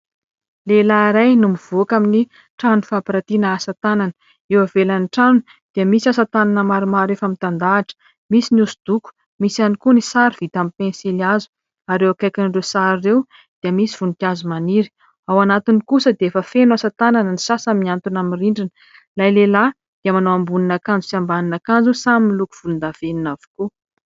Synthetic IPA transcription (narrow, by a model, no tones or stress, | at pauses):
lelaɾajnumiv̥oakamini | ʈ͡ʂanufapiɾat̪inəasət̪ananə̥ | ewavelaniʈ͡ʂanu | d̪̥iəmisasat̪ananəmaɾimaɾefamint̪and̪aːʈ͡ʂə̥ | misiniusud̪̥uku̥ | misanikunisaɾiv̥it̪amipẽnsilazu̥ | aɾewakajkʲinrewsaɾrew | d̪̥iəmisiv̥unik̪iazumaniɾi̥ | awanat̪inikusəd̪eefəfenwasat̪ananənisasəmiant̪unamiriɳɖ͡ʐinə̥ | lajlela | d̪̥iəmanoambuninakand͡zusiambaninakand͡zusaminiluku̥v̥ulund̪av̥eninavu̥ku